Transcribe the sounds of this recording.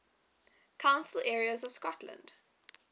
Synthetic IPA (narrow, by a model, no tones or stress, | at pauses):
kʰãʊ̃nsəl̩ɛɹiəzɔv̥skɔtʰlə̰̃nd̥